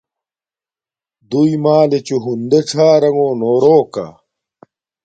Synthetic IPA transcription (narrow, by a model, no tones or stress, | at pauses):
d̪ujmaːlet͡ɕuɦund̪eʈ͡ʂʰaːɾɐŋoːnoːɾoːka̰